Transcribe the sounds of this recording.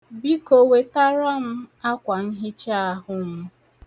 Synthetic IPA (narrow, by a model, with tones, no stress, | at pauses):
bi˦ko˨we˨ta˦ɾa˦m̩˦a˦kʷa˨n̩˦ɦɪ˦t͡ʃa˦a˦ɦʊ˦m̩˦